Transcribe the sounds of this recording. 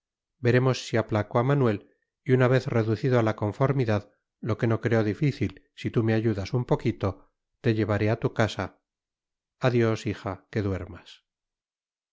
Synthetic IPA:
be̞ɾe̞mo̞sːiaplakoamanwe̞l | iunaβ̞e̞θre̞ðuθiðoalako̞ɱfo̞ɾmiðað | lo̞ke̞no̞kɾe̞o̞ðifiθil | sit̪umeaʝuðasumpo̞kit̪o̞ | t̪e̞ʎe̞βaɾe̞at̪ukasa | aðjo̞sixake̞ðwe̞ɾmas

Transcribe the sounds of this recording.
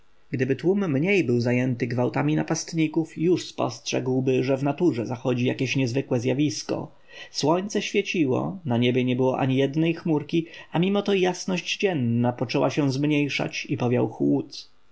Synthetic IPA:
ɡ̥d̪ɘbɘt̪wumːɲejbɘwzajɛnt̪ɘɡvawt̪amʲinapast̪ɲikufjuʂspɔ̰stʂɛ̰ɡwbɘʐɛvnat̪uʐɛzaxɔd͡ʑijakʲeɕɲɛzvɘkwɛzʲjavʲiskɔ̰ | swɔɲt̪sɛɕfʲjet͡ɕiwɔ̰naɲɛbʲjɛɲɛbɘwɔʔa̰ɲijɛd̪nɛjxmuɾkʲiamʲimɔt̪ɔjasnɔʑd͡ʑd͡ʑɛnːapɔt͡ʂɛwaɕɛzmɲejʂa̰t͡ɕipɔvʲjawxwut̪

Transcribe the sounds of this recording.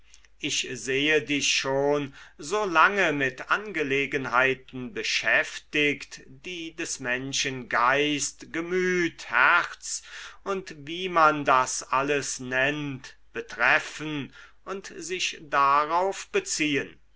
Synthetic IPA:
ʔɪçzeːədɪçʃoːnzoːlaŋəmɪtʔanɡəleːɡənɦaɪtn̩bəʃɛftɪktd̥iːdɛsmɛnʃənɡaɪstɡ̥əmyːthæʁt͡sʊntviːmandasʔaləsnɛnt | b̥ətʁ̥ɛfən | ʔʊntzɪʃd̥aʁaʊfb̥ət͡siːən

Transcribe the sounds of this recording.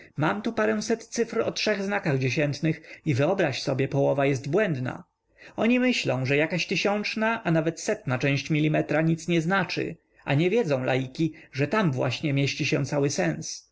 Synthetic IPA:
mamt̪upaɾɛ̃w̃sɛt̪t̪sɘfɾɔtʂɛɣznakaɣd͡ʑeɕɛnt̪nɘxivɘɔbɾaɕsɔbʲjɛpɔwɔvajɛsd̪bwɛnd̪na̰ | ɔɲimɘɕlɔ̃w̃ʐɛjakaɕt̪ɘɕɔnt͡ʂnaʔanavɛt̪sɛt̪nat͡ʂɛ̃w̃ɕt͡ɕmʲilʲːimɛt̪ɾaɲit̪sɲɛznat͡ʂɘ̰ | a̰ɲɛvʲjɛd̪zɔ̃w̃la̰jikʲiʐɛt̪amvwa̰ɕɲɛmʲjeɕt͡ɕiɕɛ̃t̪sawɘsɛns

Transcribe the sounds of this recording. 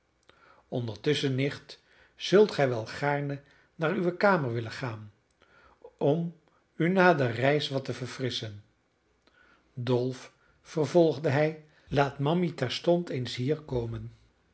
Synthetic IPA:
ɔndəɹtɵsənɪχt | z̥ɵlˠtχɛjʋɛlˠχaːɹnə | naːryʋəkaːməɹʋɪləχaːn | ɔm | ynaːdərɛjsʋɑtəvəɹfrɪsən | dɔlˠf | fərvɔlˠχdəɦɛj | laːtmɑmitɛɹstɔntejnsɦiːɹkowmən

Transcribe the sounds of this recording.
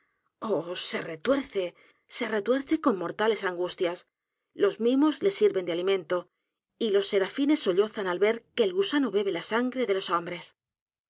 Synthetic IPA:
ose̞re̞t̪we̞ɾθe̞ | se̞ret̪we̞ɾθe̞ko̞mmo̞ɾt̪ale̞saŋɡust̪jas | lo̞zmimo̞zle̞siɾβend̪ealimẽ̞nt̪o̞ | ilo̞sːe̞ɾafine̞so̞ʎo̞θanalβe̞ɾke̞ːlɣusanoβe̞β̞e̞lasaŋɡɾe̞ðe̞lo̞sombɾe̞s

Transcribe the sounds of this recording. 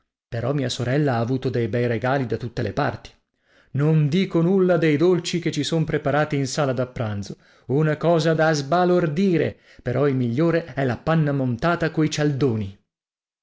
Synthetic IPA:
peɾɔmːiːasoɾɛlːaaːvuːt̪od̪ejbɛjɾeɡaːlid̪at̪ut̪ːelepa̰rt̪i̥ | nond̪iːkonulːad̪ejd̪olt͡ʃiket͡ʃːisompɾepaɾaːt̪iːnsaːlad̪apːɾand̪zo | unakɔːzad̪azbalord̪iːɾḛ | peɾɔilmiʎːoːɾeɛlapanːamont̪aːt̪akoit͡ʃald̪oːni

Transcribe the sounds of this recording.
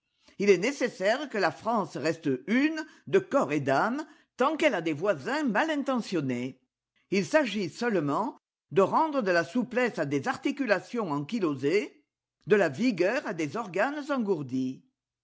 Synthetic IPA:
ilɛnesesɛʁkəlafχɑ̃sʁɛst̪ynd̪əkɔʁed̪am | t̪ɑ̃kɛlad̪evwazɛ̃malɛ̃t̪ɑ̃sjɔne | ilsaʒisœlmɑ̃ | d̪əʁɑ̃d̪ʁəd̪əlasuplɛsad̪ezaʁt̪ikylasjɔ̃ɑ̃kiloze | d̪əlaviɡœʁad̪ezɔʁɡanzɑ̃ɡuʁd̪i

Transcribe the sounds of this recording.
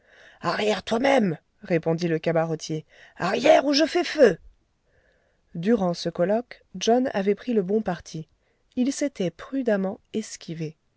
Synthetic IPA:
aʁjɛʁt̪wamɛm | ʁepɔ̃d̪iləkabaʁɔt̪je | a̰ʁjɛʁuʒəfɛfø | d̪yʁɑ̃səkɔlɔk | ʒɔna̰vɛpχiləbɔ̃paʁt̪ʰi | ilset̪ɛpχyd̪amɑ̃ɛskʲive

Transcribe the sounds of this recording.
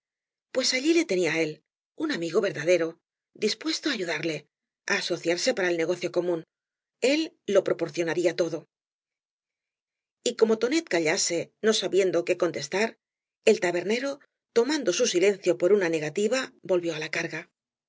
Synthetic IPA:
pwe̞saʎile̞t̪e̞niae̞l | unamiɣo̞βe̞ɾðaðe̞ɾo̞ | d̪ispwe̞st̪oaːʝuðaɾle̞ | aːso̞θjaɾse̞paɾae̞lne̞ɣo̞θjo̞ko̞mũn | e̞lː | o̞pɾo̞po̞ɾθjo̞naɾiat̪o̞ðo̞ | iko̞mo̞t̪o̞ne̞t̪̚kaʎase̞no̞saβje̞nd̪oke̞ko̞nt̪e̞st̪aɾ | e̞lt̪aβe̞ɾne̞ɾo̞ | t̪o̞mãnd̪o̞susile̞nθjo̞po̞ɾunane̞ɣ̞at̪iβabo̞lβjo̞alakaɾɣa

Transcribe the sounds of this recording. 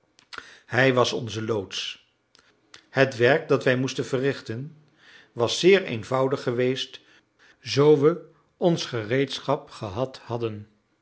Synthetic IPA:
ɦɛjʋɑsɔ̰nzəlowts | hətʋɛɹk̚dɑtʋɛjmustənvərɪχtən | ʋɑsːɪːɹḛjnvʌwdəχːəʋejst | zowʋə | ɔnsχərejtsχɑpχəɦɑthɑdən

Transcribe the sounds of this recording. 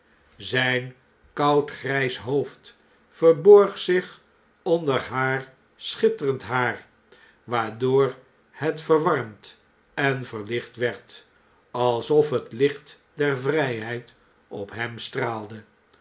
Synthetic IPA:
zɛjn | kɑwtχrɛjsɦowft | fəɹbɔɹχsɪχ | ɔndəɹɦaːr | sχɪtərəntɦaːr | ʋaːɹdoːɹ | hɛtfəɹʋɑɹmt | ɛnvəɹlɪχtʋɛɹt | ɑlˠsɔfɦətlɪχt | dɛɹvrɛjɦɛjt | ɔ̰pɦɛmstraːlˠdə

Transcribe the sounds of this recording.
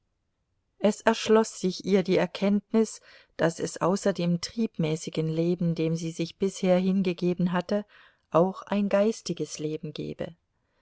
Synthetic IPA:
ʔɛsɛɐʃlɔsz̥ɪçʔiːɐdiːɛɐkʰɛntnɪs | d̥asɛ̰sʔaʊsɐdeːmtʁ̥iːpmɛːsɪɡənleːbm̩deːmziːzɪçb̥ɪsheːɐɦɪnɡəɡeːbn̩ɦatə | ʔaʊxʔa̰ɪnɡaɪstɪɡəsleːbm̩ɡɛ̰ːbə̰

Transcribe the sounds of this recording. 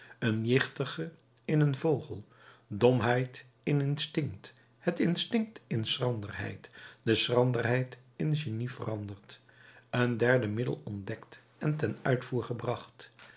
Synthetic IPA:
ənjɪχtəχə | ɪnənvowχə̰lˠ | dɔmɦɛjt | ɪnɪnstɪŋkt | hətɪnstɪŋk̚tɪnsrɑndərɦɛ̰jtd̥əsrɑndərɦɛjt | ɪnʒenivərɑndəɹt | əndɛɹdəmɪdə̰lˠɔndɛkt | ɛntɛnœ̰ɥtfuːɹχəbrɑχt

